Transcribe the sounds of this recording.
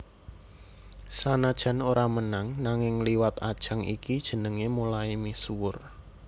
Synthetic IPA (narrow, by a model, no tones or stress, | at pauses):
sanad̥ʒ̥a̤noɾamənaŋnaŋɪŋliwat̪ad̥ʒ̥a̤ŋʔḭkid̥ʒ̥ə̤nəŋemulaimisuwʊr